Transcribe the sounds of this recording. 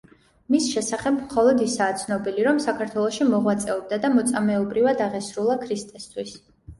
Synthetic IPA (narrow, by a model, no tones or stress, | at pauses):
misʃɛsaχɛbmχɔlˠɔd̪isaːt̪sʰnɔbiliɾɔmsakʰaɾt̪ʰwɛlˠɔʃimɔʁwat̪sʼɛɔb̚d̪ad̪amɔt̪sʼamɛɔbɾivad̪aʁɛsɾulˠakʰɾist̪ʼɛst̪ʰwis